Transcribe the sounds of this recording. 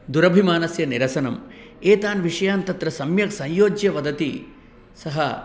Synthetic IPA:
d̪uɾɐbʱimaːnɐsjɐniɾɐsɐnɐm | eːt̪aːnʋiʂɐjaːnt̪ɐt̪ɾɐsɐmjɐksɐ̃jjoːd͡ʒjɐʋɐd̪ɐt̪i | sɐɦɐ

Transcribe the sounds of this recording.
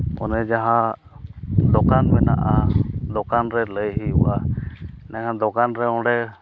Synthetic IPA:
ɔ̰nɛd͡ʒaɦã | d̪ɔkanmɛna̰ʔad̪ɔkanɾɛləjɦiṵʔa | nɛŋãd̪ɔkanɾɛɔ̃ɖɛ

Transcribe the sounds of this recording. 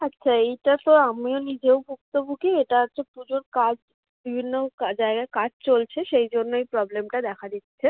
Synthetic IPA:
ɐtːʃʰaejʈat̪oamionid͡ʑewbʱuk̚t̪obʱukeeʈaat͡ɕʰopud͡ʑoɾkad͡ʑ | bibʱinːokad͡ʑaeɡaekad͡ʑt͡ɕolt͡ɕʰeʃejd͡ʑonːoejpɾɔblemʈad̪ɛkʰad̪it̪ːɕʰe

